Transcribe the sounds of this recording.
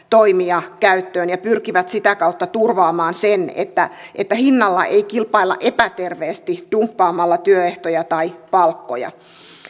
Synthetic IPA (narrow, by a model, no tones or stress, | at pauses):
t̪oimiɑkæyt̪ːøːnjɑpyrkiʋæt̪sit̪ækɑut̪ːɑt̪urʋɑːmɑːnsenḛt̪ːæʔet̪ːæhinːɑlːɑ̰ʔeikilpɑilːɑ̰ʔepæt̪erʋeːst̪id̥umpːɑːmːɑlːɑt̪yøeht̪ojɑt̪ɑipɑlkːo̰jɑ̰